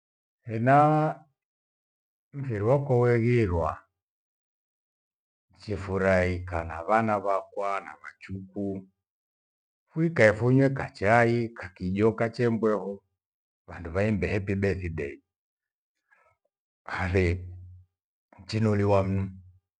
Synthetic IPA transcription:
hɛna | m̩fiɾiwakɔwɛɣiɾwa | t͡ʃɛfuɾaikanaβanaβakwanaβat͡ʃuku | fuikaɛfuɲwɛkat͡ʃaikakiʄɔkat͡ʃɛmbwɛhɔ | βanduβaimbɛhɛpibɛθidɛi | aθɛ | t͡ʃinuliwam̩nu

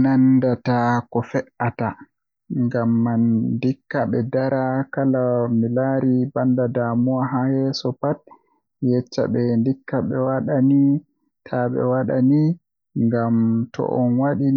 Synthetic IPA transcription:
nandatakɔfɛʔata | ŋɡamːandikːaɓɛdaɾakalamilaɾibandadamuwaɦahɛsɔpat̚ | jɛt͡ʃːa̰ɓɛndikːaɓɛwaɗani | tʰaɓɛ̰waɗani | ŋɡamtɔ̰ʔɔnwaɗi

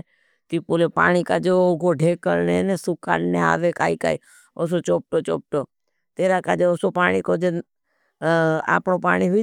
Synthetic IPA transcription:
t̪iːpoːlepa̰ːɽ̃ikad͡ʒooːɡoɖʱeːkəlnenesʊka̰ːnnea̰ːʋeka̰ːika̰ːi | os̬ot͡ʃoːp̚ʈoːt͡ʃo̰ːp̚ʈoː | t̪eːɾakaːd͡ʒeosopaːɽ̃ikod͡ʒe | a̰ːpɳopaːɽ̃iɦ

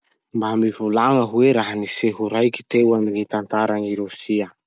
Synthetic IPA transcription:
mbamivulaŋəɦueɾaɦaniseɦuɾajki̥t̪ewaminit̪ant̪aɾaŋiɾusiə

